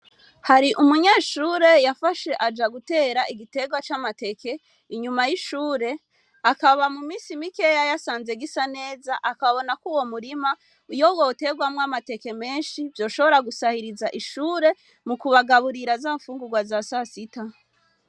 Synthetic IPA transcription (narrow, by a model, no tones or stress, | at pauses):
haɾiʔumuɲeːʃuːɾe̞jafaʃe̞ʔad͡ʒaɡute̞ːɾaʔiɡite̞ɡwat͡ʃamate̞ke̞ | iɲumajiʃuːɾe̞ | akaβamumiːsimikejajasaːnze̞ɡisane̞ːzaʔakaββo̞nakuwo̞muɾima | ujo̞wote̞ɡwamŋamate̞ke̞me̞ːnʃivjo̞ːʃo̞βo̞ɾaɡusahiɾizaʔiʃuːɾe̞ | mukuβaɡaβuɾiɾazafuːŋɡuɡwazasasita